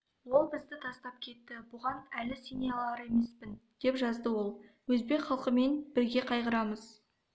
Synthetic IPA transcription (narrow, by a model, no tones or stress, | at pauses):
wo̞lˠbɪzd̪ɪt̪ʰɑst̪ɑp̚kʲʰe̞t̪ːɪbʊʁɑnælɪseneɑlˠɑɾe̞me̞spɪnd̪̥e̞pʒɑzd̪əwo̞lˠ | wɵzbe̞kχɑlˠqəme̞nb̥ɪɾɡʲe̞qʰɑjqəɾɑməz̥